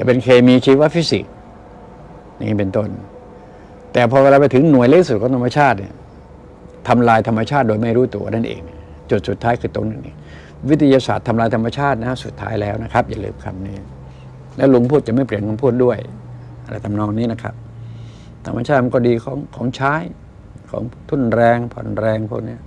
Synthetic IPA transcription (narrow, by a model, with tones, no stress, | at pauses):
t͡ɕa̰˨˩pe˧nkʰeː˧miː˧t͡ɕʰiː˦˥waː˥˩fi˦˥si˨˩k̚ | nḭː˦˥˩pe˧nt̪o˥˩n | t̪ɛː˨˩pʰɔː˧ka˧la˧˩pa˧t̪ʰɯ˩˨˦ŋnu˨˩əjla˧˥t̪ʰi˦˥su˨˩kɔː˨˦ŋt̪ʰa˧ma˧t͡ɕʰaː˥˩t̪̚nḭ˧˥˩ɐ | t̪ʰa˧mlaː˧jt̪ʰa˧mːa˧t͡ɕʰaː˥˩t̪̚doː˧jma˥˩jɾuː˦˥t̪u˧ɐ̰na˥˩nʔḛː˧ŋ | t͡ɕu˨˩t̪̚su˨˩t̪ʰːaː˦˥jkʰɯː˧t̪o˧ŋnɯ˨˩ŋnḭ˧˥˩ | wi˦˥t̪ʰːjaː˧sa̰ː˨˩t̪ʰːa˧mlaː˧jt̪ʰa˧mːa˧t͡ɕʰaː˥˩t̪̚na˦˥su˨˩t̪ʰːa̰ː˦˥jlɛː˦˥˩wna˦˥˩kʰa˦˥p̚ja˧˩lɯ̰ː˧mkʰa̰˧˩nːiː˦˥ | lɛː˦˥˩wlo˧ŋpʰu˥˩t̪̚t͡ɕa˨˩ma˥˩jpli˨˩ənkʰo˧ŋpʰu˥˩t̪̚du˥˩əj | ʔa˧ɾla˧˩jt̪ʰa˧mnɔː˧˩ŋniː˦˥na˦˥˩kʰa̰˦˥p̚ | t̪ʰa̰˧mːa˧t͡ɕʰaː˥˩ma˧nkɔː˥˩diː˧kʰɔ̰ː˩˦ŋkʰɔː˩˦ŋt͡ɕʰaː˦˥˩j | kʰɔ̰ː˩˦ŋt̪ʰu˥˩˨nɾɛː˧ŋpʰɔ̰˨˩˦nɾɛː˧ŋpʰu˦˥˩k̚ni˦˥ɐ